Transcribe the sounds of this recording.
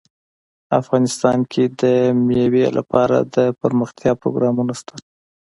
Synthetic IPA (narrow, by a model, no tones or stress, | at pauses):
afɣɑnɪst̪ɑnkʰed̪əmjewelʔa̰pɑɾa̰d̪əpəɾməxt̪jɑpɾo̰ɡɾɑmunast̪ḁ